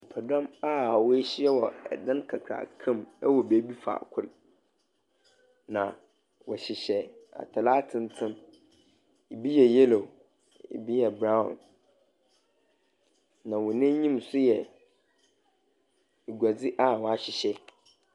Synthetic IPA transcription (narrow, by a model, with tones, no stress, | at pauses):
pʰa˨dɔ̃˦ma˦˨ɔ˨wɔ˦e˦ɕɪ˦ɛ˦wɔ˨ɛ̰˨dã˦nkʰa˨kʰa̰˨kʰã˦mɛ˦wɔ˨be˨˦bi˦fa̰˨kʰʊ˦l | nã˨ | wɔ˨ɕɪ˨ɕɛ˨a̰˨tʰa˨la˦tʰɪ̃˦ntʰɪ̃˦m | e˨bi˦jɛ˨je˦lo˨ | ḛ˨bi˦jɛ˨bɾã˦ʊ̰̃˨n | nã˨wʊ̃˨nɪ̃˦ɲĩ˦msʊ˦jɛ˨ | e˨ɡʷa˨d͡zɪ˦ʔa˦˨wɔ˨a˨ɕɪ˨ɕɛ˦